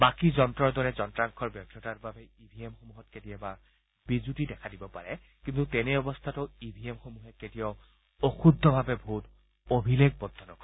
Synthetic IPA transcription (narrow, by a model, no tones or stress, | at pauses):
bakizɔntɹɔɹd̪ɔɹɛzɔntɹaŋkʰɔɹbjɔp̚tʰɔtaɹbabɛibʱiemxomuɦɔt̚ketiɛba | b̥izutidɛkʰadibɔpaɹɛ | kint̪utɛnɛɔbɔst̪ʰatɔibʱiemxomuɦɛketijɔ | oxud̪ʱːɔbʱabɛbʱut | obʱileɡ̚bɔd̪ʱːɔnɔkɔ